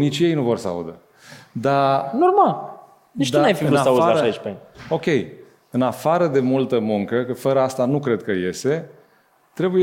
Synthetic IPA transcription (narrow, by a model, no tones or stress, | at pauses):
nit͡ʃje̞jnuvo̞rsəa̰ṵd̪ə | d̪anormal | it͡ʃd̪aajfivɨunasaudaaəʃait͡ʃpano̞kʲe̞j | ɨnafaɾəd̪e̞mult̪əmuŋkəkəfəɾəast̪anukɾe̞d̪̚kəje̞st̪e̞ | t̪ɾe̞buje